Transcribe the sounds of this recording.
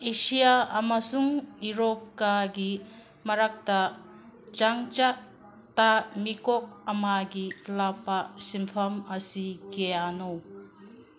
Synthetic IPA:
esijaːmasuŋiɾɔp̚kaɡi | mɐɾak̚ta | d͡ʒaŋt͡ʃa | tamikɔk̚ɐmaɡilapasimpʰɐmɐsiɡejano

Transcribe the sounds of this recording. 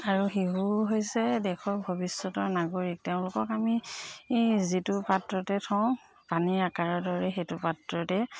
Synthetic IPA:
aɹuxiɦuɦojsɛdɛkʰɔɹbʱobisːɔtɔɹnaɡoɹik̚teʊ̃lʊkɔkami | zitʊpatɹɔtɛtʰɔ̃ | paniɹakaɹɔɹdɔɹɛxetʊpatɹɔtɛ

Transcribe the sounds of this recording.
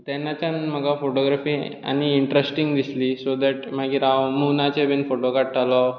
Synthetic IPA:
t̪ɛnːat͡ɕjanməɡafoʈoɡɾafiːa̰ñiːɳʈɾesʈiŋɡd̪islisod̪ɛʈm̤aɡiːɾawmunat͡ɕebinfoʈokaʈtalɔ

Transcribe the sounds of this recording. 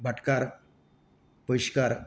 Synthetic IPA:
bʱaʈkaɾ | pəjɕkaɾ

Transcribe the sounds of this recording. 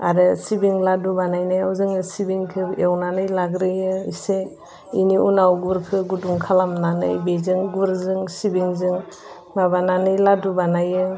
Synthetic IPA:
a̰ɾɯsibiŋladubanajnɯjawzɯŋɯsibiŋkʰɯewnanɯjlaɡɾɯjɯise | ḭniunawɡuɾkʰɯɡuduŋkʰalamnanɯ̰jbezɯŋɡuɾzɯŋsibiŋzɯŋ | mabananɯjladubanajɯ

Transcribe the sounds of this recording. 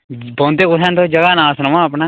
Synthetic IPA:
bɔ̃ːnt̪ekʊt̪ʰãːnt̪oːd͡ʒəɡaːnãːsnəmãapnaː

